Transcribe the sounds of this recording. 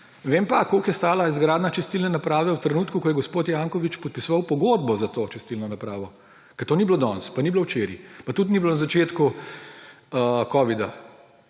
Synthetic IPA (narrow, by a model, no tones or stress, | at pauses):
ʋeːmpakoːkjɛst̪aːlaizɡɾaːd̪nat͡ʃɛst̪ilnɛnapɾaːʋɛwt̪ɾɛnuːt̪kukɔjɛɡospoːt̪jaŋkɔʋit͡ʃpɔt̪̚pisɔʋawpɔɡod̪̚bɔzat̪oːt͡ʃɛst̪ilnɔnapɾaːʋɔ | kɛɾt̪oːniblod̪ɔ̰nspaniblowt͡ʃeːɾḭpat̪ut̪niblonazat͡ʃeːt̪ku | kɔːʋid̪a